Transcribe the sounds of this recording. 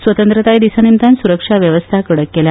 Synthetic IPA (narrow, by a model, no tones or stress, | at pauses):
sʋət̪ənt̪ɾət̪ajd̪isanimt̪ansuɾəkʂaʋjəʋəst̪ʰakəɽəkːelja